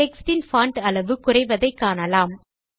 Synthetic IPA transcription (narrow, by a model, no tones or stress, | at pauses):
ɛksʈɪnfaːɳʈɐɭɐʋɯkʊrɐɪʋɐðɐɪkːaːnɐlaːm